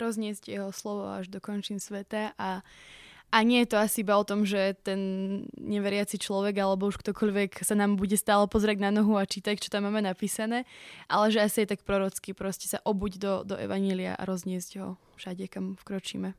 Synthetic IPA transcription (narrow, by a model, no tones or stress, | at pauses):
ɾɔzɲɪɛzɟjɛɦɔslɔʋɔa̰ʒd̪ɔkɔnt͡ʃinsʋɛt̪aʔa | aɲɪɛjɛt̪ɔasiibaɔt̪ɔmʒɛt̪ɛnɲɛʋɛɾɪat͡sit͡ʃlɔʋɛɡalɛbɔuʃkt̪ɔkɔʎʋɛksanaːmbuɟɛst̪aːlɛpɔzɛɾaɟnanɔɦuat͡ʃiːt̪act͡ʃɔ̥t̪amːaːmɛnapiːsanɛːʔa̰lɛʒɛasijɛt̪ak̚pɾɔɾɔt͡skipɾɔscɛ̥saʔɔbuːɟd̪ɔd̪ɔʔɛ̰ʋaɲɪɛlia̰ʔa̰ɾɔzɲɪɛzɟɦɔ̰ | fʃaɟɛkamfkɾɔt͡ʃḭːmɛ